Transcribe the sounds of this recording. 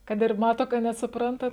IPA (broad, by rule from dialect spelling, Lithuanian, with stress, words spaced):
ˈkɐt ɪr ˈmɑːtoː kɐ nʲɛsʊˈprɐntɐt